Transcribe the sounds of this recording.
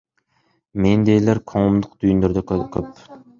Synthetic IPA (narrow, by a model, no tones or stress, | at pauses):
mend̪ejlæɾkʰoŋʊmd̪ʊq̚d̪yjynd̪øɾd̪ɛkkʲʰøp